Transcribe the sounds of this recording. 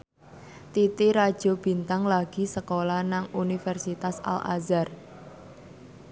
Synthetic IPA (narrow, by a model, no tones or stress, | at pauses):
t̪it̪iɾad̥ʒ̥o̤b̥i̤nt̪aŋlaɡ̥i̤səkolanaŋunifɛrsit̪asa̰la̰zar